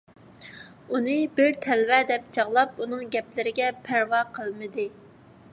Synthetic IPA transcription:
unɨbɪɾt̪ʰɛlvɛd̪ɛp̚t͡ʃʰɑʁlˠɑp̚unɨŋɡʲɛplɪɾɪɡʲɛpʰæɾwɑqʰəlˠmɨd̪ɨ

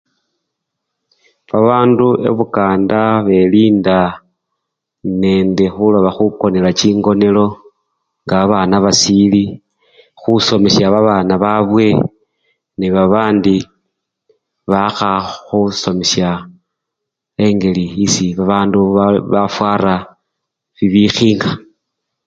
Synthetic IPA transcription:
βaβaːnduʔe̞̰βukaːndaβe̞liːnda | ne̞ːndexuloβaxuko̞nelat͡ʃiːŋɡo̞ne̞lo̞ | ŋɡaaβaːnaβasili | xuso̞me̞ʃjaβaβaːnaβaβwe̞ | neβaβaːndi | βaxaxuso̞meʃja | e̞ŋɡe̞liisiβaβaːnduβafwaːɾa | βiβixiːŋɡa

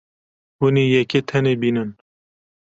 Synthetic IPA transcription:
wuniːjɛket̪ʰɛneːbiːnɨn

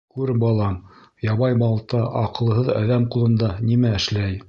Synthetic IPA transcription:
kʉɾbɑlˠɑm | jɑβɑjmɑlˠt̪ɑʔɑqɤ̆lˠɦɤðæ̰ðæmqulˠɤ̆nd̪ɑnimæɘ̆ʃlæj

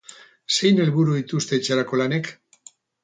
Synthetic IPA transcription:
se̞jne̞lβuɾuit̪ust̪e̞ːt͡ʃeɾako̞lane̞k

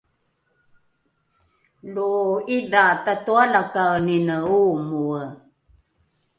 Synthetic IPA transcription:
luidatatualakaninəumuə

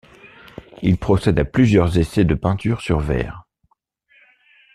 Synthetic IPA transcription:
ilpχɔsɛd̪aplyzjœʁzesɛd̪əpɛ̃t̪yʁsyʁvɛ̰ːʁ

